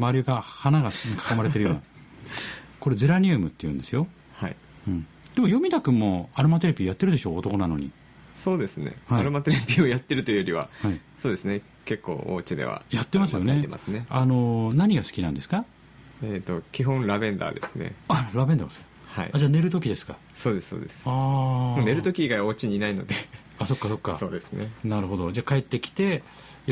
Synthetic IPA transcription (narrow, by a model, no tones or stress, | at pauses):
maɾʲɯɡahanaɡanakḁko̞maɾe̞t̪eɾɯjon | ko̞ɾe̞d͡zɨɾaɲ̟ɯmɯ̟t̪ːe̞jɯ̟̃nd̪e̞sɨjo̞ | hai | ɯ̃ɴ | d̪̥e̞mo̞jo̞mʲid̪akɯ̟mo̞aɾɯ̟mat̪̬e̞ɾebʲiojat̪ːe̞ɾɯ̟d̪e̞ɕo̞ːt̪o̞ko̞nano̞̰ɲ̟ḭ | so̞ːd̪e̞sɨne̞̰haaiɾɯ̟mat̪eɾebʲiojat̪ːe̞ɾɯt̪oɯjoɾʲiβa̰haisoːd̪e̞sɨne | ke̞kːo̞̰ːo̰ːt͡ɕid̪e̞̰βa̰jat̪ːe̞masɨjo̞eḛma̰sɨneano̞naɲ̟iɡasɨ̥kʲinãnd̪e̞sɨ̥ka | et̪o̞kʲiɦõ̞ñɾabẽ̞nd̪a̰d̪e̞sɨne̞̰aɾabẽ̞nas | ha̰ḭad͡ʑaːne̞ɾɯ̟t̪o̞kʲid̪e̞sɨ̥ka | so̞ːd̪e̞ssoːd̪esɨ̥aːmone̞ɾɯ̟t̪o̞kʲiɡaaoːt͡ɕiɲiinaino̞̰d̪e̞ | aso̞kːaso̞kːaso̞ːd̪e̞sɨnenaɾɯ̟ɦo̞d̪o̞d͡ʑaːkae̞t̪ːe̞kʲi̥t̪e̞